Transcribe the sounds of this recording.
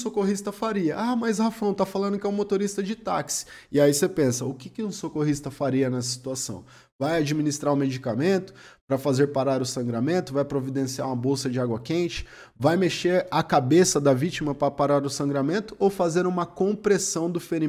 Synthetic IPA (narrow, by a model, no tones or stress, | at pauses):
sokoɦist̪ɐfaɾiɐʔamɐjshafɐ̃w̃t̪afalɐ̃nd̪ʊkɪɛũmot̪oɾist̪ɐd͡ʒɪt̪aksɪ̥ɪaisepẽsɐʊkɪkɪũsokoɦist̪ɐfaɾiɐnɛsɐsi̥t̪uasɐ̰̃w̃ | vajad͡ʒiminist̪ɾaɾʊ̃med͡ʒikamẽnt̪ʊ̥pɾɐfazeɾpaɾaɾʊsɐ̃ŋɡɾamẽnt̪ʊvajpɾovid̪ẽsia̰ũmɐbowsɐd͡ʒɪaɡwɐkẽnt͡ʃɪ̥ | vajmeʃeɾakabesɐd̪ɐvit͡ʃimɐpɾɐpaɾaɾʊsɐ̃ŋɡɾamẽnt̪ʊowfazeɾũmɐkõpɾesɐ̃w̃d̪ʊfeɾi